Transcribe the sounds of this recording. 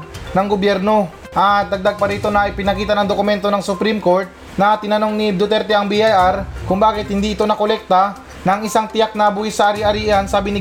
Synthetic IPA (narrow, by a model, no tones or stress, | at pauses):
nɐŋɡobjɛɾno̞ | ʔɐd̪ɐɡ̚d̪aɡ̚pɐɾiːt̪o̞nɐʔɪpɪnɐkiːt̪ɐnɐŋd̪okʊmɛnt̪o̞nɐŋsʊpɾimko̞ɾt̪̚ | nɐt̪ɪnɐno̞ŋnid̪ʊt̪ɛɾt̪ɛʔɐŋbiʔajʔaɾkʊŋbaːkɪt̪̚hɪnd̪iːʔɪt̪o̞nɐkolɛk̚t̪ɐ | nɐŋɪsaŋt̪ɪjak̚nɐbuːhɪsɐʔɐɾiʔɐɾiːʔɐnsaːbɪnɪ